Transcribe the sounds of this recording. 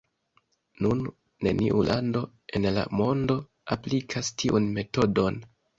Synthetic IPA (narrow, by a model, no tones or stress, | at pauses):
nunː | e̞̰niʔulʔando̞ | e̞nla̰mo̞ndo̞ | aplikʰastʰiʔunme̞to̞do̞n